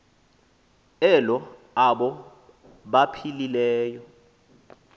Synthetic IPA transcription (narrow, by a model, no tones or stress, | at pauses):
ɛlɔ | aɓɔ | ɓapʰililɛːjɔ